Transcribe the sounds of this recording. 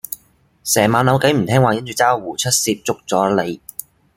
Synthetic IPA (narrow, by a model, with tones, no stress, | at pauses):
sɛː˨˩maː˨˧nlɐ˨˧wkɐ˨˥m̩˨˩t̪ʰɛː˥ŋwaː˨jɐ˥nt͡ʃyː˨˧t͡saː˥wwuː˨˩t͡ʃʰɵ˥t̚siː˧p̚t͡sʊ˥k̚t͡sɔː˨˥le˨˧j